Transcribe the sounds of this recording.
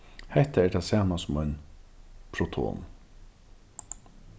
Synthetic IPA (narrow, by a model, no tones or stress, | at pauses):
hɛht̪aɛɹʈ̪ʰasaːmasʊmɔɥn | pʰɾɔt̪ʰo̰ːn